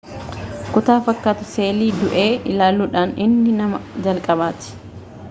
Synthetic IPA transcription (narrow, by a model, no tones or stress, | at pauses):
kʊt̪aːfɐkːaːt̪ʊse̞ːliːd̪ʊʔe̞ːɪlaːluːᶑaːnɪnːɪnɐmɐd͡ʒɐlkʼɐbaːt̪ɪ̥